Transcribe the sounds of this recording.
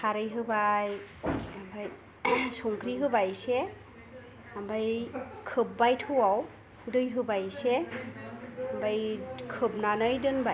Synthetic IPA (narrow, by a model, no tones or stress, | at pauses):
kʰaɾɯjɦɯbaj | abaj | sɔŋkɾiɦɯbajsɛ | ambajkʰɯb̚ːajtʰɯwaw | hdɯjɦɯbajsɛ | ambajkʰɯbnanɯjdɯnbaj